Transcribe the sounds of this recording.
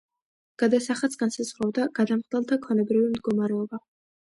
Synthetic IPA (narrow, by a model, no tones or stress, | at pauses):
ɡ̥ad̪asaχat̪sɡ̥ansazʁɾɔvd̪aɡ̥ad̪amχd̪ɛlˠt̪ʰakʰɔnɛbɾivimd̪ɡɔmaɾɛɔba